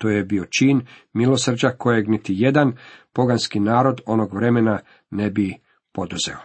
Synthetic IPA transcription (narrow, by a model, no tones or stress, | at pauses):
t̪oːjebio̞t͡ʃinmilo̞srd͡ʑako̞jeɡnit̪ije̞d̪anpo̞ɡanskinaːɾo̞d̪o̞noɡʋɾe̞mena | ne̞bi | po̞d̪uze̞̰o̞